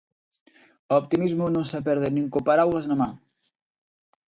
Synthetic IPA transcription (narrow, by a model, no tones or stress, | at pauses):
ɔp̚t̪imizmunosap̬ɛɾðeniŋkopaɾawɣəznama